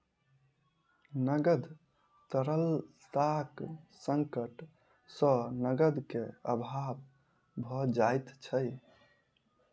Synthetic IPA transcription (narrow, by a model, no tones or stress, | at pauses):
nəɡəd̪ | t̪əɾəl | t̪aksəŋkəʈ | sənəɡəd̪keəbʱab | bʱɔd͡ʒajt̪t͡ʃʰə